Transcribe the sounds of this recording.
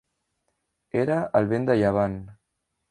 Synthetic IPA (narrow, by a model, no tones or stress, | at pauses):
eɾəəlˠβend̪əʎaβ̞an